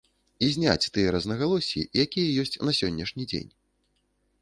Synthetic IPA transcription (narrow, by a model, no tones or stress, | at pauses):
izʲnʲa̰t͡sʲt̪ɨjɐɾɐznɐɣalˠɔsʲḭjakʲijɐjɔsʲt͡sʲnɐsʲɔnʲːɐʂnʲid͡zʲḛnʲ